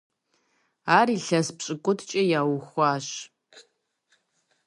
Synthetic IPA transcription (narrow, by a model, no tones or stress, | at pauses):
aːriɬɐspɕʼɨkʷʼʊtʰt͡ʃʼɐjaːwxʷaːɕ